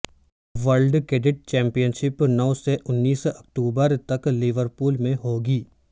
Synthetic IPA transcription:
ʋəɾlɖkeɖɪʈ̚t͡ʃɛ̃ːmpijənʃɪpnɔwseʔʊnːiːsɐk̚ʈuːbəɾt̪ɐklɪʋəɾpuːlmẽɦoːɡiː

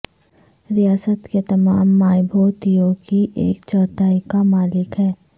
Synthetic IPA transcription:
ɾɪjaːsət̪ket̪ɐmaːmːaːjbʱoːt̪ijõkiʔeːk̚t͡ʃɔːt̪aːikamaːlɪkɦɛː

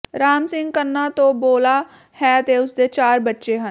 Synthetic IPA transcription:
ɾaːmsɪŋɡkənːãːt̪õːboːlaː | hɛːt̪eːʊsd̪eːt͡ʃaːɾbətːʃeːɦən

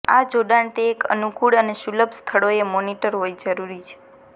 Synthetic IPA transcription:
a̰d͡ʒoɖaɳt̪eːkə̰nukuɽəneʃuləbst̪ʰəɭoemoniʈəɾɦojd͡ʒəɾuɾit͡ʃʰe̥

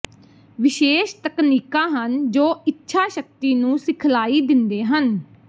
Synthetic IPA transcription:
ʋɪʃeːʃt̪əkniːkãːɦənd͡ʒoːɪtːʃʰaːʃək̚t̪iːnũːsɪkʰlaːiːd̪ɪnd̪eːɦən

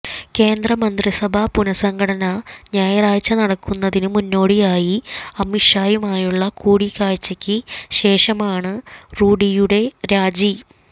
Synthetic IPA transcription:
ke̞ːnd̪rɐmɐnd̪risɐbʱɐpunɐsɐŋɡʱɐɽɐnɐɲaːjɐraːjt͡ɕːɐnɐɽɐkːunːɐðinɨmunːo̞ːɽijaːjiɐmːiʂaːjumaːjuɭːɐkuːɽikaːɻt͡ɕːɐkʲːɨɕe̞ːʂɐmaːɳɨruːɽijuɽe̞ɾaːd͡ʑi

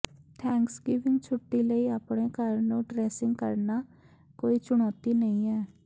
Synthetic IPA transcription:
t̪ʰɛ̃ːŋksɡɪːʋɪ̃ŋɡt͡ʃʰʊʈːiːləiːaːpɳ̃eːkəɾnũːɖɾɛːsɪ̃ŋɡkə̰ɾnaː | koːiːt͡ʃʊɽ̃ɔːt̪iːnəĩːɛː

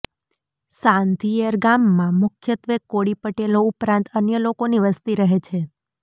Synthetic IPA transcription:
sãnt̪ʰieɾɡamːãmʊkʰjət̪ʋekːoɽipəʈeloupɾãnt̪ənjəlokoniʋəst̪iɾəɦet͡ʃʰe

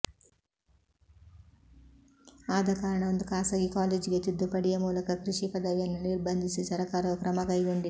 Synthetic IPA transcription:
aːd̪ɐkaːɾɐɳɐɐnd̪ukaːsɐɡikaːleːd͡ʒɡet̪ud̪ːupɐɽijɐmuːlɐkɐkɾiʂipɐd̪ɐʋjɐnuniɾbʱɐnd̪ʱisisɐɾɐkaːɾɐkɾɐmɐkɐjɡuɳɖi

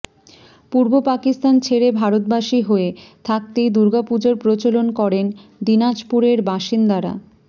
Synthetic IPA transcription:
puɾbopakist̪ant͡ɕʰeɾebʱaɾot̪̚baʃiɦoet̪ʰak̚t̪ejd̪uɾɡapud͡ʑoɾpɾot͡ɕolonkɔɾend̪inad͡ʑpuɾeɾbaʃind̪aɾa̰

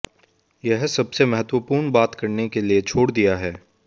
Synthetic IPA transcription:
jɛɦsɐbsemɐɦət̪wəpuːɾnbaːt̪kɐɾnekeliet͡ʃʰoːɽd̪ijaɦɛː

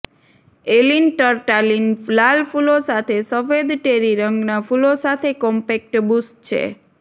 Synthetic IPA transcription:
elinʈəɾʈalinlalfulosat̪ʰesəfed̪ʈeɾiɾəŋɡnafulosat̪ʰekɔmpek̚ʈbust̚t͡ʃʰḛ

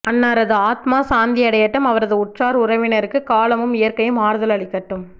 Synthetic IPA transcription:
ʔɐnːaːɾɐðɯaːt̪maːsaːnd̪ɪɐɽɐjɐʈːɐmɐʋɐɾɐðɯʊʈraːɾʊɾɐʋɪnɐɾɯkːɯkaːlɐmɯmɪjɐɾkɐjɯmaːɾðɯlɐɭɪkːɐʈːɯm

